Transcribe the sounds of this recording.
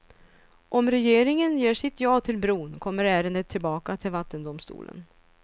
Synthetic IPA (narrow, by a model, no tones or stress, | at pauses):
ʔɔmɾɛjeːɾɪŋənjeːʂɪt̪ʰjɑːt̪ʰɪlbɾuːnkʰɔmːəɾæːɾənd̪ət̪ʰːɪlbɑːkat̪ʰɪlvat̪ːənd̪ʊmst̪ṵːlə̰n